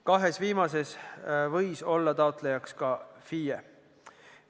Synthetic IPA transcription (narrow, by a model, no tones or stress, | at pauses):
kɑɦe̞sviːmɑse̞svɤjso̞lːɑt̪ɑot̪ˑlejɑkskɑfije